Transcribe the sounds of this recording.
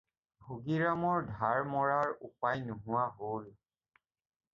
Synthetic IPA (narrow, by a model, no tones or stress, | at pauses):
bʱoɡiɹamɔɹdʱaɹmɔɹaɹupajnʊɦʊwaɦol